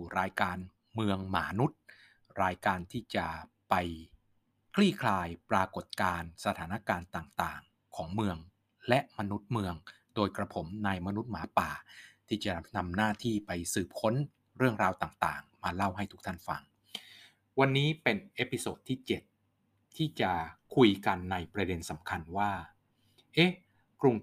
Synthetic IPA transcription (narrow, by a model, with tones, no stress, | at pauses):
u˨˩ɾaː˧jkaː˧n | mɯ˧əŋma̰ː˩˦nu˦˥t̪̚ | ɾaː˧jkaː˧nt̪ʰiː˥˩t͡ɕa˨˩ | pa˧j | kʰliː˥˩kʰlaː˧jpɾaː˧ko˨˩t̪̚kaː˧nsa˧t̪ʰaː˩˦na˦˥˩kaː˧nt̪aː˨˩ŋt̪aː˨˩ŋ | kʰɔː˩˦ŋmɯ˧əŋ | lɛ˦˥ʔma˧nu˦˥t̪̚mɯ˧əŋ | doː˧jkɾa˧pʰo˩˦mna˧jma˧nu˦˥t̪̚maː˩˦paː˨˩t̪ʰiː˥˩t͡ɕa˨˩na˧mnaː˥˩t̪ʰiː˥˩pa˧jsɯː˨˩p̚kʰo˦˥n | ɾɯ˥˩əŋɾaː˧wt̪aː˨˩ŋt̪a̰ː˨˩ŋmaː˧la˥˩wɦa˥˩jt̪ʰu˦˥k̚t̪ʰa˥˩nfa̰˧ŋ | wa˧nːiː˦˥pe˧nʔeː˦˥pi˧soː˨˩t̪ʰːiː˥˩t͡ɕe˨˩t̪̚ʰː | iː˥˩t͡ɕa˨˩kʰu˧jka˧nːa˧jpɾa˧de˧nsa˩˦mkʰa˧nwaː˥˩ | ʔe˦˥ | kɾu˧ŋ